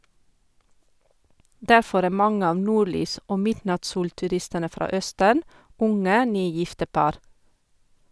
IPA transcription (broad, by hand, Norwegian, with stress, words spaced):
ˈdæɾˌfɔɾ ˈæː ˈmɑŋə ˈɑːʋ ˈnuːɾˌlyːs ˈʔoː ˈmɪdnɑtˌsuːltʉˌɾɪstənə ˈfɾɑ ˈœstən ˈʊŋə ˈnyːˌjɪftə ˈpɑɾ